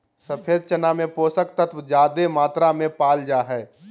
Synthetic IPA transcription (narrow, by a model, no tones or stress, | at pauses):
səpʰeːd̪̚t͡ʃənamẽpoːsəkt̪ət̪ʰʋd͡ʒaːd̪emaːt̪ɾamẽpaːld͡ʒaːɦɛː